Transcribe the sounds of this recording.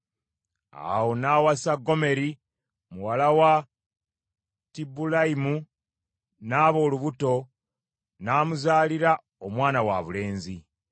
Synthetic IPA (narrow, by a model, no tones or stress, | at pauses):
a̰wo̞naːwasaɡːo̞me̞ɾi | muwalawa | tibulaimu | naːβo̞ːluβuto̞ | naːmuzaːliɾa | omwaːnawa̰βule̞ːnzi